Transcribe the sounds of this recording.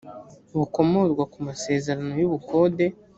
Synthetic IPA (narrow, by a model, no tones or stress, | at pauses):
βuko̞mo̞zɡwakumase̞ːze̞ɾano̞juβukʰo̞ːde̞